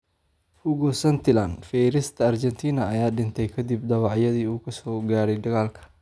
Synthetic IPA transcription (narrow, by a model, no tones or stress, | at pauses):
hʊɣɔsɐnt̪ʰɪland̪fɛjɾɪst̪ʰɐɐrt͡ʃɛnt̪ʰiːnɐɐjaːɖɪnt̪ʰɛjkʰɐd̪ibd̪ɐβɑʕjɐðiːuːkʰɐsɔːɡaːɽɛjd̪ɐɣaːlkʰɐ̥